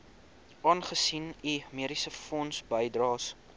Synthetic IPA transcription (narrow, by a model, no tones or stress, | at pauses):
ʔɑːnχəsinimiəɾisəfɔnsbəjdrɑːs